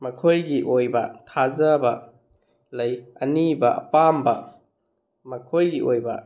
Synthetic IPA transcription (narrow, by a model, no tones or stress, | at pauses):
mɐkʰojɡiʔojbɐtʰazɐbɐ | lɐjɐnibɐʔɐ̰pambɐ | mɐkʰojɡiʔojbɐ̰